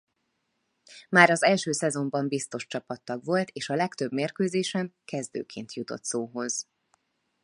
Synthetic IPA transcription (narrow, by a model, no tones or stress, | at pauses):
maːɾɒzɛlʃøːsɛzo̞mbɒmbist̪o̞ʃt͡ʃɒpɒt̪ːɒɡʋo̞lt̪ʰeːʃɒlɛkt̪øbmeːrkøːzeːʃɛmkɛzd̪ø̰ːkʰḛːnt̪ʰjut̪o̞̰t̪soːɦo̞z̥